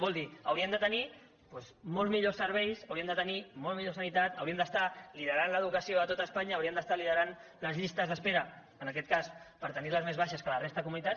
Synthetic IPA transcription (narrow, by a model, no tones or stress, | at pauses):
bɔlˠd̪iəwɾiəmd̪ət̪əni | pwezmɔlˠzmiʎosːəɾβ̞ɛjsəwɾiəmd̪ət̪ənimolmiʎosənit̪at̪əwɾiəmnd̪əst̪aliðəɾanləð̞ukəsioat̪ot̪əːspaɲəːwɾiəmd̪əst̪alið̞əɾan | ləzʎist̪əzðəspeɾə | ənəkɛt̪̚kaspəɾt̪əniləzmezβaʃəskələrest̪əəkumunit̪at̪